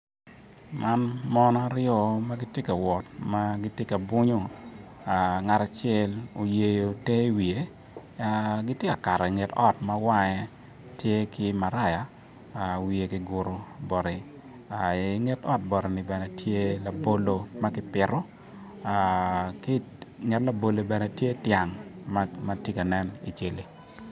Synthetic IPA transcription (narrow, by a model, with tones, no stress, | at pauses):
mʔa˦nmɔ˦nɔ˦a˦ɾɪɔ˦ma˦ɡi˦tje˦ka˨wɔ˨t̚ma˦ɡi˦tje˦ka˨bʊ˦ɲo˦ | a˨ŋa˨ta˨t͡ʃɪɛ˦lo˨je˨jo˨te˦wi˨e˨˦ | ɡi˦tje˦ka˨ka˨ɾɛ˨ŋe˨tɔ˦tma˦wa˦ɲɛ˦ | tje˦ki˦ma˨ɾa˦˨ja˨ | wi˨e˨ki˦ɡʊ˨ɾo˨bɔ˨ɾi˨ | a˨i˨ŋe˦tɔ˦t̚bɔ˨ɾe˨ni˨bɛ˨nɛ˨tʰje˦la˨bo˦lo˦ma˦kɪ˦pɪ˨ɾɔ˦ | ki˦ | ŋɛ˨tla˨bo˨lo˨bɛ˨nɛ˨tje˦tja˨ŋmma˦ti˦ka˨nɛ˦nḭ˨t͡ʃe˦li˨